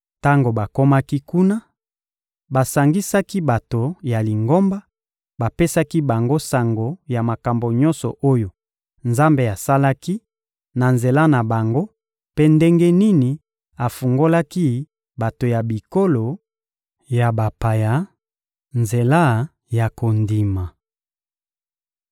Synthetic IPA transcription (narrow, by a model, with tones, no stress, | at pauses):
ta˦ŋɡo˨ba˨ko˦ma˦ki˦ku˦na˦ | ba˨sa˨ŋɡi˦sa˦ki˦ba˨to˨ja˨li˨ŋɡo˦mba˦ | ba˨pe˦sa˦ki˦ba˨ŋɡo˦sa˨ŋɡo˨ja˨ma˨ka˨mbo˨ɲɔ̃˦nsɔ̰˨ʔo˦jo˨ | nza˦mbe˨a˨sa˦la˦ki˦ | na˨nze˨la˦na˨ba˨ŋɡo˦ | pe˦nde˦ŋɡe˦ni˦ni˨ | a˨fu˨ŋɡo˦la˦ki˦ | ba˨to˨ja˨bi˨ko˦lo˨ | ja˨ba˨pa˨ja˨ | nze˨la˦ | ja˨ko˨ndi˨ma˨